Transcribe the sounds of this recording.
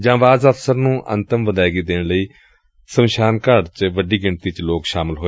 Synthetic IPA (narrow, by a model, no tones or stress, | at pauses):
d͡ʒãːʋaːzəfsəɾnũːʔə̰nt̪əmʋəd̪aːɪɡiːd̪eːɳləiː | səmʃaːnkəɾt͡ʃʋəɖiːɡɪɳt̪iːt͡ʃloːkʃaːmɪlɦoːe